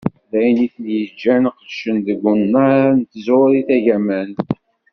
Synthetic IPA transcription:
læjniθənjəd͡ʒːænqəlʃənðəɡʷunːant̪əzʊɾiθæʝæmæn

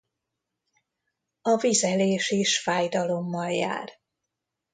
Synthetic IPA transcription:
ɒvizɛleːʃiʃfaːjd̪ɒlo̞mːɒlja̰ːr

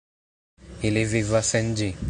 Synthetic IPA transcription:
ilivivasɛnd͡ʒi

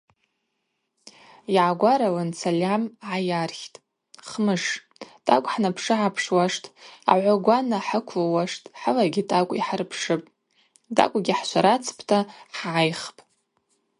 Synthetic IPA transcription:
iʕaɡʷaɾalant͡sʰalʲamʕajarχʲtʼ | χmɨʂ | tʼa̰kʷʼħnapʰʂɨʕapʰʂwaʂtʼa̰ʕʷaɡʷanaħəkʷʰlawaʂtʼħalaɡʲitʼakʷʼiħarpʰʂɨpʼ | dʼa̰kʷʼɡʲiħʃʷʰaɾat͡sʰpʰtʰaħʕajχpʼ

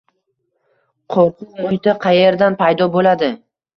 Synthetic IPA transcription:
qʰoɾqʰʊqmʊt̪aqʰɑjeɾd̪anpʰajd̪ɒbolad̪ɪ

